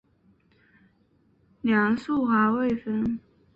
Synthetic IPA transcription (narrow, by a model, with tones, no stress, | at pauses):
njɑ˧˥ŋsu˥˩xwa˧˥we˥˩ɪfə˥n